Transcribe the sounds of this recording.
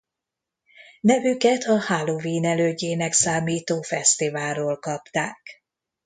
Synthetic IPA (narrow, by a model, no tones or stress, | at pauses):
nɛvykɛt̪ʰɒhaːloviːnɛløːɟeːnɛksaːmiːt̪oːfɛst̪ivaːlːoːlkɒpt̪aːk